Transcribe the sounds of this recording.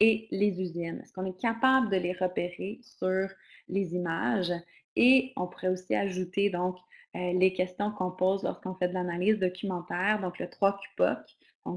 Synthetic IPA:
elezyzɪnɛ̰skɔ̃nɛkapabləd̪əleʁəpeʁesyːʁ | lezimaʒ | eɔ̃puʁɛosiaʒut̪ed̪ɔ̃kølekʲɛst̪jɔ̃kɔ̃poːzlɔ̰ʁskɔ̃fɛd̪əlanaliːzd̪ɔkʲymɑ̃t̪ɛːʁd̪ɔ̃klət̪χwakʲy̥pɔ̰k | d̪ɔ̃

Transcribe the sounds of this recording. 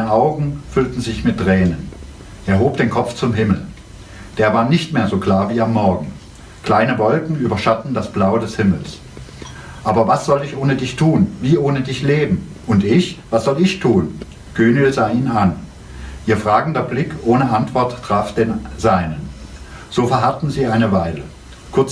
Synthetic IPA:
aɪnəʔaʊɡŋ̩fʏltn̩zɪçmɪt̚ʁ̥ɛːnən | ʔeːɐɦoːp̚d̥eːnkʰɔp͡ft͡sʊmɦɪml̩ | d̥eːɐvaːɐnɪçtmeːɐzoːkl̥aːɐviːamːɔɐɡŋ̩ | kl̥aɪnəvɔlkŋ̩yːbɐʃatn̩dasb̥laʊdɛshɪml̩s | ʔaːbɐvasz̥ɔlɪçʔoːnədɪçtʰuːnviːʔoːnədɪçleːbm̩ | ʔʊntʔɪçv̥asz̥ɔlɪçtʰuːn | ɡ̥øːnɪlzaːiːnnan | ʔiːɐfʁ̥aːɡŋ̩dɐblɪkʰʔoːnəʔantv̥ɔɐtːʰʁ̥aːfd̥eːnz̥aɪnənz̥oːfɛɐɦaɐtn̩ziːaɪnəvaɪlə | kʰʊɐt͡s

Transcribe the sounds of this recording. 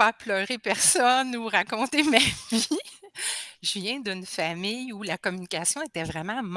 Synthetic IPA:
aplœːʁepɛʁsɔnuʁakɔ̃t̪emavi | ʒəvjɛ̃d̪ɨnfamɪjulakɔmynikʲasjɔ̃et̪ɛvʁɛmɑ̃m

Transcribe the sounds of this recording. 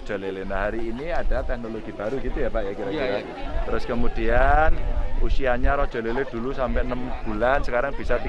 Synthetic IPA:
d̥ʒ̥ɔ̤lelenaɦaɾiːniad̥at̪ɛk̚noloɡ̥ib̥a̤ɾuɡit̪ujapaʔjakiɾakiɾa | t̪əɾʊskəmud̥ianusiaɲaɾɔd̥ʒ̥ɔ̤leled̥ṳlusampɛʔnəmb̥ulansəkaɾaŋb̥isat̪i

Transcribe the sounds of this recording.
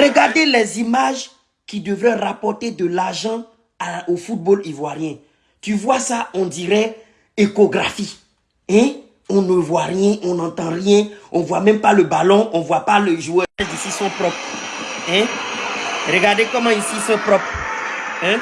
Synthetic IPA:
rəɡaʁd̪elɛzimaʒ | kid̪əvɾɛ̃rapɔɾt̪ed̪əlaʁʒɑ̃ | aofut̪̚bolivwaʁjɛ̃ | t̪yvwasaɔ̃d̪iɾɛ | ekoɡɾafi | ɛ̃ | ɔ̃nəvwarjɛ̃ʔɔ̃nãt̪ãrjɛ̃ɔ̃vwamɛ̃mpaləbalɔ̃ɔ̃vwapaləʒuɛɛzisisɔ̃pɾɔp | ɛ̃ | rəɡaʁd̪ekɔmãisisɔ̃pɾɔpɾ | ɛ̃

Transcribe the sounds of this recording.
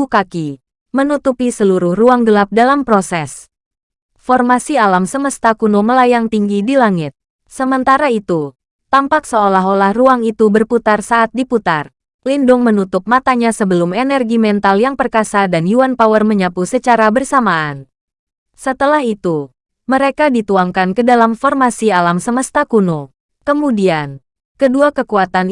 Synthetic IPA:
ukaki | mənut̪upisəluɾʊhruaŋɡəlap̚dalampɾosɛs | fɔrmasialamsəməst̪akunoməlajaŋt̪iŋɡidilaŋɪt̪̚ | səmənt̪aɾait̪u | t̪ampaksəolaɦolahruaŋit̪ubərput̪arsaʔːt̪̚diput̪ar | lindʊŋmənut̪ʊp̚mat̪aɲasəbəlʊmenɛrɡimɛnt̪aljaŋpərkasadanjuanpawərməɲapusət͡ʃaɾabərsamaan | sət̪əlaɦit̪u | məɾekadit̪uaŋkankədalamfɔrmasialamsəməst̪akuno | kəmudian | kəduakəkuat̪an

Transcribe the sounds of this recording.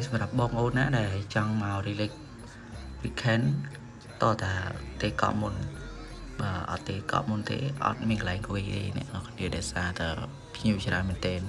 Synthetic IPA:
sɑmrap̚ɓɑːŋʔoːn̚naːɗaɛlt͡ɕɑŋmaɔriːlɨːk̚ | ʋikʰɛn | t̪ŏət̪aət̪eːkɑ̰ʔmun | ɓaːʔɑ̰t̪ːeːkɑ̰ʔmunt̪ḛːʔɑ̰t̪̚miənkalaɛŋkoʋihɗḛːnɛ̆əʔɑkʰniəɗaɛsaːt̪aə | pʰɲiət͡ɕraənmɛənt̪ɛːn

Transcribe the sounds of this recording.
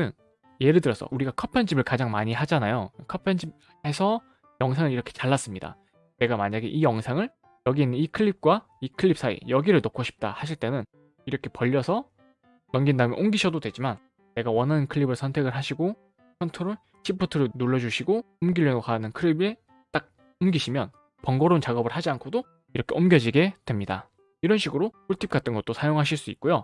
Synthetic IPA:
ɯn | je̞ɾɯdɯɾʌs͈ʌ̰ʔuɾiɡakʰʌpʰend͡ʑibɯɭkad͡ʑaŋmaɲiɦad͡ʑanajokʰʌpʰend͡ʑib | e̞sʰʌ | jʌŋsʰaŋɯɾiɾʌkʰet͡ɕaɭːas͈ɯmɲida̰ | ne̞ɡamaɲaɡe̞ʔijʌŋsʰaŋɯɭ | jʌɡiinːɯnikʰɯɭːip̚k͈wa | ikʰɯɭːip̚s͈aḭjʌɡiɾɯɭnokʰoɕʰi̥p̚t͈a̰haɕ̬ʰiɭt͈e̞nɯn | iɾʌkʰe̞pʌʎːʌsʰʌ | nʌmɡindamḛʔomɡiɕʰʌdodwe̞d͡ʑiman | ne̞ɡawʌnɦanɯnkʰɯɭibɯɭsʰʌntʰeɡɯɭɦaɕʰiɡo | kʰʌntʰoɾɯɭ | ɕʰipʰutʰɯɾɯnoɭːʌd͡ʑuɕʰiɡo | omɡiʎːʌɡokanɯnkʰɯɭibe̞ | t͈ak̚ | omɡiɕʰimjʌn | pʌŋɡʌɾont͡ɕaɡʌbɯɭhad͡ʑiankʰodo | iɾʌkʰe̞ʌmɡjʌd͡ʑiɡe̞d̥we̞mɲida̰ | iɾʌnɕʰiɡɯɾopʰuɭtʰip̚k͈at͈ʰɯnɡʌt͈̚osʰajoŋɦaɕʰiɭs͈uḭt̚k͈ojo

